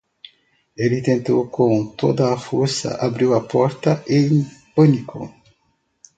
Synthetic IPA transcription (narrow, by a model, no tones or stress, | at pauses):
elit̪ẽnt̪owkõnt̪od̪ɐːfoɾsɐ̰ʔabɾiwɐpɔɾt̪ɐʔeŋpɐnikʰo̰